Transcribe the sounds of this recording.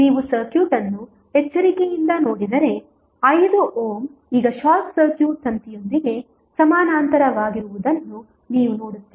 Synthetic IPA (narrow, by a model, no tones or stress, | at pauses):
niːʋusɐɾkjuːʈɐnːu | ɛt͡ʃːɐɾikejind̪ɐno̞ːɽid̪ɐɾe̞ | ɐjd̪uʔoːmiːɡɐʃaːksɐɾkjuːt̪ʰɐnt̪ijo̞nd̪iɡe̞ | sɐmaːnaːnt̪ɐɾɐʋaːɡiɾuʋud̪ɐnːu | niːʋunoːɽut̪ːi